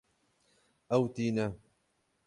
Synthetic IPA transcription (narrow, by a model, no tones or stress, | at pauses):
ʔawt̪iːna